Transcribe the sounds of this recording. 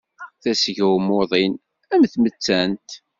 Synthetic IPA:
θæsəʝwmoðˤin | æmθmət͡sːænt̪

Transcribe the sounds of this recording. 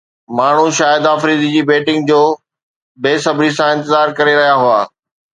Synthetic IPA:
maːɳ̤uʃaːjɪd̪aːfɾiːd̪id͡ʑiːbeːʈɪ̃ŋɡd͡ʑoː | beːsɐbʱɾisãɪ̃nt̪ɪzaːɾkɐɾeɾɐɦijaɦʊaː

